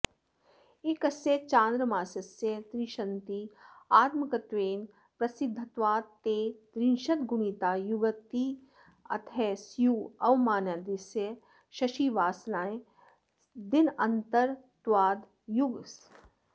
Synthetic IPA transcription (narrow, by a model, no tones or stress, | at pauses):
ɪkɐsjet͡ʃãːnd̪ɾəmaːsɐsjet̪ɾiʃɐnt̪iːaːt̪məkɐt̪ʋeːn | pɾɐsɪd̪ʱːət̪ʋaːd̪t̪eːt̪ɾinʃɐt̪ɡʊɳit̪aːjuɡək̚t̪i | ɐ̰t̪ʰɛsjuːɐwmaːnaːd̪isjə | ʃɐʃiːʋaːsnaːẽ | d̪ɪnɐnt̪əɾ | t̪ʋaːd̪ | jʊɡs